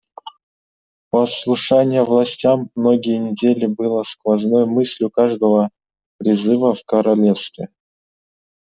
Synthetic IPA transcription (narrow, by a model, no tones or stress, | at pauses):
pəslˠʊʂanʲɪjəvlˠɐsʲtʲamːno̞ɡʲɪjənʲɪdʲelʲɪbɨlˠəskvɐznojmɨsʲlʲjʊkaʐd̪əvə | pɾʲɪzɨvəfkəɾɐlʲefst̪vʲɪ